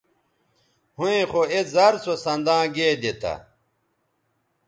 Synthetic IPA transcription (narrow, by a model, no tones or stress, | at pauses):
huẽxoezɐɾsosɐ̃nd̪ãːɡeːd̪et̪ʰɐ̰